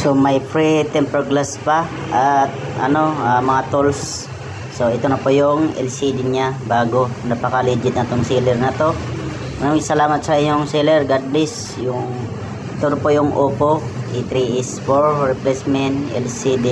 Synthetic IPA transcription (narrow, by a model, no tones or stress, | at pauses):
somɐjfɾit̪ɛmpɾoɡlaspɐ | ʔat̪̚ | ʔɐ̰no̞amɐŋat̪ulsː | o̞ɪt̪onɐpojʊŋɛ̰lsid̪iɲabaːɡonɐpɐkalid͡ʒɪt̪nɐt̪oŋsilɛɾnɐt̪o̞ | mɐɾamɪŋsɐlaːmɐt̪̚sɐɪɲoŋsilɛɾɡad̪lis | jʊŋ | t̪onɐpojʊŋʔoːpoʔit̪ɾiʔɪsfoɹːɛplɛsmɛnt̪ʔɛ̰lsid̪i